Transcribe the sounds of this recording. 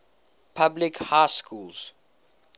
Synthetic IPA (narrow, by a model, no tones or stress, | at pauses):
pʰablikhajskʰulz̥